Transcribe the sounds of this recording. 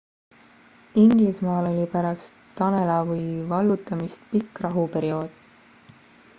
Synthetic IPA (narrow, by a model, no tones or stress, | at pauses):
iŋɡlismɑːlo̞lʲipæɾɑst̪ːɑne̞lɑvɤjvɑlːut̪ːˑɑmist̪pikːˑrɑɦupe̞ɾio̞ːd̪̥